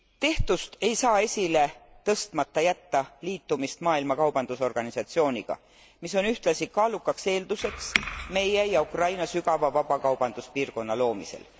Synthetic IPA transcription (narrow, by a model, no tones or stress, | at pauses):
t̪e̞ht̪ust̪e̞jsɑːe̞sʲile̞ | t̪ɤ̞st̪mɑt̪ːɑjæt̪ːɑliːt̪ːumist̪mɑːilmɑkɑwb̥ɑnd̪̥uso̞rɡ̥ɑnisɑt̪sio̞ːnʲiɡ̥ɑ̰ | miso̞nyht̪lɑsikɑːlukːˑɑkse̞ːld̪use̞ksme̞jejɑukrɑjnɑsyɡ̥ɑvɑvɑbɑkɑwb̥ɑnd̪̥uspiːrko̞nːɑlo̞ːmise̞̰l